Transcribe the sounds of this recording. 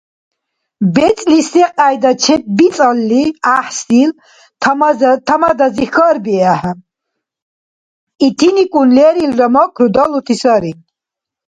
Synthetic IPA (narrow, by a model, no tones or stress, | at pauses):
bɛt͡sʼlisɛqʼajd̪at͡ʃʰɛt̪̚bit͡sʼalːiaħsilʰ | t̪ʰamad̪azixəɾbiaħa | it̪ʰinikʼunlɛɾilɾamɔkʰɾud̪ɔlut̪ʰisaɾi